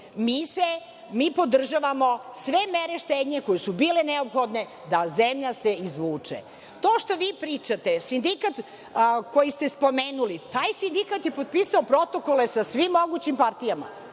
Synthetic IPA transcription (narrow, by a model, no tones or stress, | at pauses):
miːse | miːpo̞d̪r̩ʒaʋamo̞sʋe̞meɾeʃt̪ed̪ɲeko̞jesubiːleneopxo̞d̪ne̞ | d̪azemʎaseizʋuːt͡ʂḛ | t̪o̞ːʃt̪o̞ʋiːpɾiːt͡ʃat̪esind̪ikat̪ | ko̞jist̪espo̞meːnulit̪aːjsind̪ikat̪jepod̪̚pisaopɾo̞t̪o̞ko̞lesasʋimːo̞ɡut͡ɕimpaɾt̪ijama̰